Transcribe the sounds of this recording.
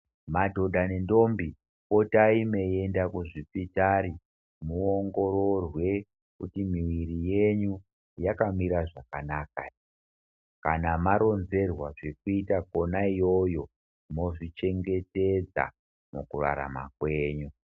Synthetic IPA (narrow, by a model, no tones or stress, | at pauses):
madʱo̞dʱane̞ndo̞mbi | kotaime̞je̞ndakuʐipitaɾi | muoŋɡo̞ɾo̞rwe̞ | kutimiwirije̞ɲu | jakamiɾaʐakanaːka | kanamaɾo̞nze̞rwaʐe̞kuitako̞naijo̞jo̞ | mo̞ʐit͡ʃe̞ŋɡe̞te̞d͡za̰ | mukura̰ɾa̰ma̰kwe̞ːɲu